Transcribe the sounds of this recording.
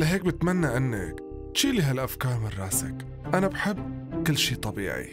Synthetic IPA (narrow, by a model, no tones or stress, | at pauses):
lɪɦeːk̚bɪt̪manːaʕɪnːa̰k | ʃiːliɦalʔafkaːmɪrˤːɑːsɪ̰k | ʔanabħɪbː | kɪlːʃiːt̪ˤɑbḭːʕḭ